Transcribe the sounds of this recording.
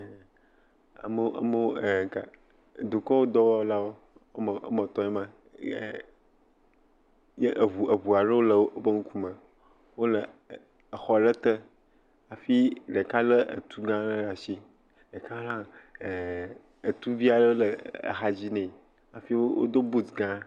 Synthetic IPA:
a̰˨mə˦ʔa̰˦mə˦wka˨ | d̪o˨kɔ˦wo˦d̪ɔ˦wɔ˦wo˦la˦wo˦ | mə˨ʔmɔ̃˨t̪ɔ̃˨ɲɛ˦mã˦˨ | je˦ʔə˨βu˨ʔə˨bu˨a˨ɖə˦wo˦lə˨wo˦bə˦ŋu˦ku˦mə̃˨ | wo˦lə˨ | ə˨xɔ˨ɖə˦t̪ə˦ | a˨fi˦ɖe˨ka˦lə˦ə̰˨t̪u˦ɡã˦lə˦ɖa˨si˦ | ɖə˨ka˦lã˦˨ | ə˨t̪u˦vi˦a˨ɖə˦o˦lə˨ə̰˨ɦa˨d͡ʑi˦nɛ̃˨ | a˨fi˦wo˦wo̰˦d̪o˦bu˦tɡã˦

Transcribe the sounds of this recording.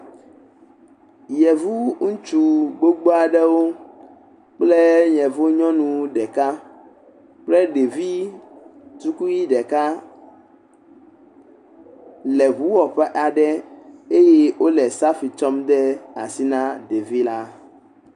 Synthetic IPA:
jɛ˨vu˦ŋũ˦t͡ʃu˨ɡ͡bo˦ɡ͡bo˦a˨ɖɛ˦wo˦ | k͡ple˦ɲɛ̃˨vo˦ɲɔ̃˦nũ˨ɖɛ˨ka˦ | k͡plɛ˦ɖe˨vi˦ | t̪u˦ku˦ji˦ɖɛ˨ka˦ | lɛ˨βu˦wɔ˨ɸɛ˦ʔa˨ɖɛ˦e˦jɛ˦wʔo˦lɛ˨sa˦fi˨t͡ʃɔ˦md̪ɛ˦a̰˨si˦nã˦ɖe˨vi˦la˦

